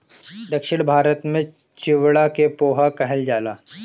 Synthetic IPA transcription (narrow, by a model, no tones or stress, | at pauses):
d̪ɐkʃɪɽ̃bʱaːɾət̪mẽ | t͡ʃɪʋɽakepoːɦakɐɦəld͡ʒaːlaː